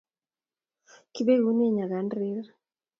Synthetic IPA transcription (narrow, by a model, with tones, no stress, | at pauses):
ki˦be˦ɡu˦ne˦ɲa˨ɡa˨˦ndɾɪ˦r